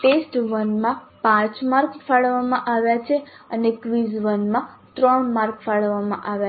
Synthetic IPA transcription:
ʈesʈʋənmãpãt͡ʃmaɾkfaɭʋamãʔaʋjat͡ʃʰeənekʋizʋənmãt̪ɾəɳmaɾkfaɭʋamã̰ʔaʋja

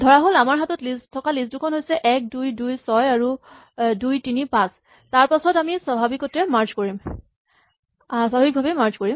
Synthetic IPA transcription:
dʱɔɹaɦolamaɹɦatɔtlistʰɔkalisdukʰɔnɦojsɛʔɛk̚dujdujsɔjaɹu | dujtinipãs | taɹpasɔtamisabʱabikɔtɹɛmaɹt͡ʃkoɹim | saɦik̚bʱabimaɹt͡ʃkoɹim

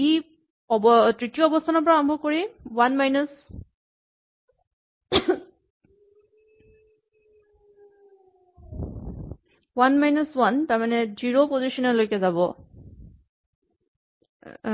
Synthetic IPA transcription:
i | ɔbtɹitijɔːbɔstʰanɔpɔɹaɔmbʱɔkoɹiwanmajnɔs | wanmajnɔswantaɹmanɛziɹopozisɔnɔlojkɛzabɔ

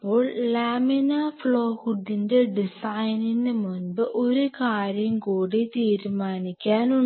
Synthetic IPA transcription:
pːoːɭlaːminafɭoːhuɖːinde̞ɖisajninɨmunbɨʔo̞ɾukaːɾjɐmkuːɽet̪iːɾmaːnikʲːaːnu

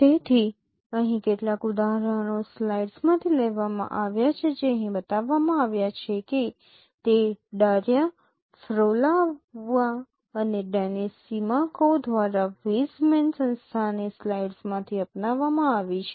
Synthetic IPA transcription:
t̪et̪ʰi | əɦĩkeʈlakʊd̪aɦɾəɽ̃oslaiɖsmãt̪ʰilɛʋamã̰ʔaʋjat͡ʃʰed͡ʒeəɦĩbət̪aʋːamãaʋjat͡ʃʰeke | t̪eɖaɾja | fɾolaʋːa | əneɖanesimakod̪ʱʋaɾaʋismensə̃nst̪ʰanislaiɖsmãt̪ʰiəpnaʋːamãaʋit͡ʃʰe

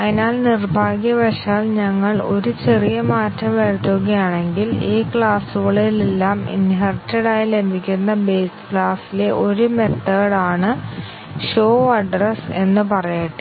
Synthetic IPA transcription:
ɐðinaːlnirbʱaːɡjɐbɐʂaːlɲɐŋːɐɭo̞ɾut͡ɕe̞rijɐmaːtːɐmʋeɻt̪ːoɣɐjaːɳe̞ŋɡiliːkɭaːsuʋɭɐjilelːaːmḭnɦɐrtːeɽaːjle̞mbʱikʲːunːɐbe̞ːskɭaːsile̞ʔo̞ɾumet̪ːɐːɽaːɳɨ | ʂo̞ːɐɖrese̞nːɨpɐrɐjiʈːɨ

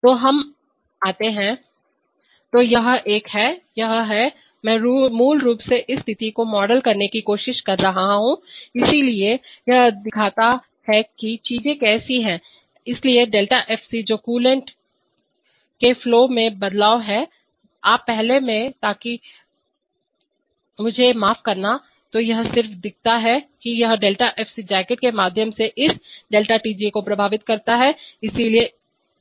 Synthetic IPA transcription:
t̪oːɦɐm | aːt̪eɦɛ̃ː | t̪oːjɐɦʔeːkhɛjɐɦɦɛ | mɛ̃ːɾːmuːlɾuːpseʔɪst̪ʰɪt̪ikomɔːɖəlkɐɾnekikoːʃɪʃkɐɾːɐɦaɦaɦũɪsiliejɐɦd̪ɪkʰaːt̪a | hɛkit͡ʃiːzẽkɛːsiɦɛ̃ː | ɪslieɖeːlʈaʔɛːfsid͡ʒoːkuːlə̃ɳʈ | kefloːmẽbɐd̪laːoɦɛ | aːpːɛɦlemẽt̪aːki | mʊd͡ʒʱemaːfkɐɾna | t̪ojɐɦsɪɾfd̪ɪk̚ʰt̪aɦɛkijɐɦɖeːlʈaʔɛːfsid͡ʒɛːkɪʈ̚kemaːd̪ʱjəmseʔɪsɖeːlʈaʈiːd͡ʒikopɾɐbʱaːʋɪt̪kɐɾt̪aɦɛɪsilie

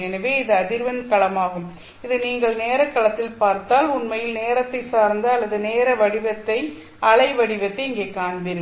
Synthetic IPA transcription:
ɛnɐʋeːɪðɯɐðɪɾʋɐnkɐɭɐmaːɣɯm | ɪðɯniːŋɡɐɭneːɾɐkːɐɭɐt̪ːɪlpaːɾt̪aːlʊnmɐjɪlneːɾɐt̪ːɐɪsaːɾnd̪ɯɐlːɐðɯneːɾɐʋɐɽɪʋɐt̪ːɐɪ | ʔɐɭɐɪʋɐɽɪʋɐt̪ːɐɪɪŋɡeːkaːnbɪɾɯ

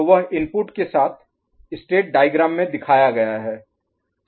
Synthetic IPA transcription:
oʋəɦɪmpʊʈkesaːt̪ʰ | ɪsʈeːʈ̚ɖaːɪɡɾaːmːẽd̪ɪkʰaːjaɡɐjaɦɛː

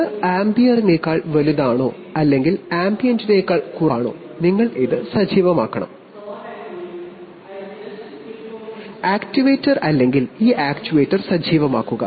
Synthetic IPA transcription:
ɨaːmbijɐrine̞ːkːaːɭʋɐluðaːɳo̞̰ː | ɐlːe̞ŋɡilaːmbijɐndine̞ːkːaːɭkurɐːɳo̰ː | niŋːɐɭiðɨsɐd͡ʑiːʋɐmaːkːɐɳɐ̰m | aːktiʋeːtːɐrɐlːe̞ŋɡiliːʔaːktiʋeːtːɐrsɐd͡ʑiːʋɐma̰ːkːuɣɐ̰

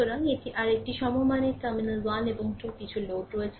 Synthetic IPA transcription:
oɾaŋeʈiʔaɾek̚ʈiʃɔmomanekaminazaneboŋʈʰukit͡ɕʰulokɾoet͡ɕʰe

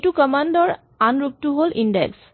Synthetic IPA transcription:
tukɔmandɔɹ | anɹuk̚tuɦolʔindḛks

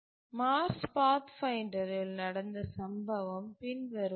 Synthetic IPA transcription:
maːɾspaːt̪fɐɪɳɖɐɾɪlnɐɽɐnd̪ɐsɐmbɐʋɐmpɪnʋɐɾɯ

